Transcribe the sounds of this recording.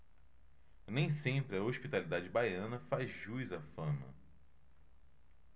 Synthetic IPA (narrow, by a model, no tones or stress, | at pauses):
nẽj̃sẽmpɾɪɐoʃpit̪alid̪ad͡ʒɪbajɐ̃nɐfazʒujzɐfɐ̃mɐ̰